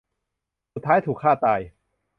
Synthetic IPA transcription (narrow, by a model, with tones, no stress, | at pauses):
su˨˩t̪ʰːaː˦˥jt̪ʰuː˨˩kʰːaː˥˩t̪aː˧j